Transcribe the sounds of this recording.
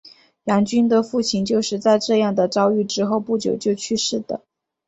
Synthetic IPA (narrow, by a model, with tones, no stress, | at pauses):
jɑ˧˥ŋt͡ɕy˥nd̪ə˧fu˥˩t͡ɕʰi˧˥nt͡ɕjo˥˧ʊʂɻ̩˥˧t͡sa˥˧ɪʈ͡ʂɤ˥˧jɑ˥˩ŋd̪ə˩ʈ͡ʂɑ˥ʊy˥˩ʈ͡ʂɻ̩˥xo˥˧ʊpu˥˩t͡ɕjo̰˨˩ʊt͡ɕjo˥˧ʊt͡ɕʰy˥˧ʂɻ̩˥˩d̪̥ə̰˩